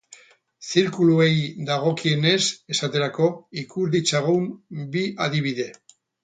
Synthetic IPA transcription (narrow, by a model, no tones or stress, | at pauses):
siɾkulue̞jd̪aɣ̞o̞kie̞ne̞se̞sat̪e̞ɾako̞ikuɾðit͡saɣuwmbiʔaðiβ̞iðe̞